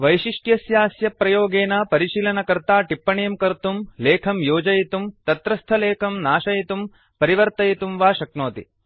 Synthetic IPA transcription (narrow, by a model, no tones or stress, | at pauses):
ʋɐjʃiʂʈjɐsjaːsjɐpɾɐjoːɡeːnaːpɐɾiʃiːlɐnɐkɐɾt̪aːʈipːɐɳejɐmkɐɾt̪umleːkʰɐmjoːd͡ʒɐjit̪umt̪ɐt̪ɾɐst̪ʰɐleːkʰɐmnaːʃɐjit̪um | pɐɾiʋɐɾt̪ɐjit̪umʋaːʃɐknoːt̪ḭ